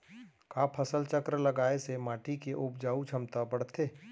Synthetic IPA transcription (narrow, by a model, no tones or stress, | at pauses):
kaːpʰɐsəlt͡ʃəkɾləɡaːesemaːʈʰikeʔʊbd͡ʒaːut͡ʃʰɐmt̪abəɽt̪ʰeː